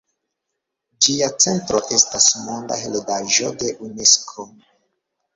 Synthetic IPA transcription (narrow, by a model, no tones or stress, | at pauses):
d͡ʒiat͡se̞ntɾo̞ʔe̞stasmo̞ndaɦeledaʒo̞de̞ʔune̞skʰo